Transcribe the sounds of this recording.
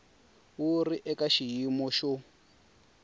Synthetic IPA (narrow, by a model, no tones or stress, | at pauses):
wuriʔɛkaʃijimɔʃɔ